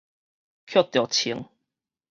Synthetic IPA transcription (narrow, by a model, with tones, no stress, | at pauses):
kʰjɔ˥˩t̪jɔ˨˩t͡ɕʰi˨˦ŋ